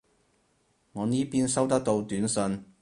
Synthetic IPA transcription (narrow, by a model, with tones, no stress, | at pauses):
ŋɔː˨˧niː˥piː˥nsɐ˥wt̪ɐ˥k̚t̪o˧wt̪yː˨˥nsɵ˧n